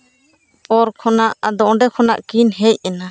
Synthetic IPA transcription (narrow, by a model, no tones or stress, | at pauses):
ɔɾkʰɔnaʔad̪ɔʔɔ̃ɖɛkʰɔnaʔkinɦɛjɛna